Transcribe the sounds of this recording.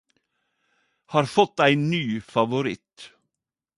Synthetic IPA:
hɑːɾfɔt̪æɪnyːfɑʋʊɾɪt̪

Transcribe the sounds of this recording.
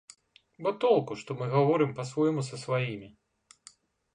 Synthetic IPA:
bɔt̪ɔlˠkuʂt̪ɔmɨɣavɔɾɨmpɐsvɔjmus̬ɐsvajimʲi

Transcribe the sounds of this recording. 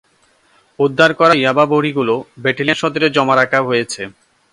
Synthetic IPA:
ud̪ʱːaɾkɔɾajababoɽiɡulobeʈilieʃɔd̪oɾed͡ʑɔmaɾakʰaɦojet͡ɕʰe

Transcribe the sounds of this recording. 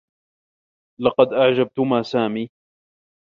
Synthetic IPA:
lɑqɑd̪ʔaʕd͡ʒab̚t̪ʊmaːsaːmiː

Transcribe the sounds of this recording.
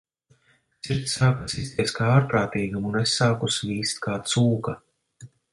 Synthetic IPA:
t̪siɾt̪saːkasist̪ʲiɛskaaːɾpɾaːt̪iːɡamunesːaːkusviːst̪kaːt̪suːka

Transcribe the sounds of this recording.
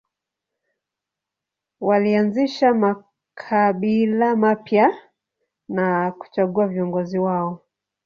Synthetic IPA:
walianziʃama | kʰaɓilamapja | naku̥t͡ʃaɠuaviɔŋɡɔziwaɔ

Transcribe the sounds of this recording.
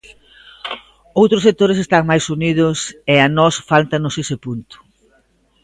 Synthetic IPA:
owt̪ɾʊs̬ek̚t̪oɾes̬est̪aŋmajsunið̞ʊseanɔsfalt̪anʊsesɪpunt̪ʊ̥

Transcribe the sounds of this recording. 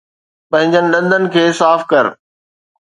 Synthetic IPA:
pɐ̃ɦɪ̃ɲd͡ʑənɪ̆ɗɐ̃nd̪ʱənɪ̆kʰeːsaːfkɐɾ

